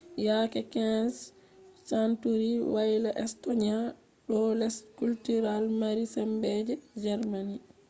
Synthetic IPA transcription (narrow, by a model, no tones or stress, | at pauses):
jaːkɛkɛs | santuɾiwajlaʔɛstɔɲia | ɗɔlɛskultuɾalmaɾisɛmbɛd͡ʒɛd͡ʒɛɾmani